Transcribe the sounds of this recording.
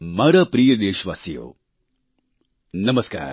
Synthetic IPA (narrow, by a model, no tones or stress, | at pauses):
mɐɾɐpɾiːjɐd̪eːʃʋa̰ːsijo̰ː | nɐmɐska̰ːɾ